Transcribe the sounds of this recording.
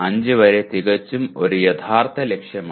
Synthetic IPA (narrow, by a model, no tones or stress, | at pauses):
ɐɲd͡ʑɨʋɐɾet̪iɣɐt͡ɕːumo̞ɾujɐt̪ʰaːrt̪ʰɐlekʂjɐmaː